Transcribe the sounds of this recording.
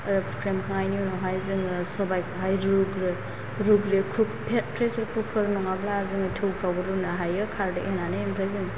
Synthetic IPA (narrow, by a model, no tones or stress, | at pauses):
ɾɯkʰɾemkʰaŋajniunɔɦajzɯŋɾsɔbajkʰɦajɾɾuɡɾɯ | ɾuɡɾekʰukpʰpʰɾesɾkʰukʰːɯɾnɔŋablaːzɯŋɯtʰɯwkʰɾawbɯɾunaɦajɯkʰaɾdɯʔenanɯempʰɾajzɯŋ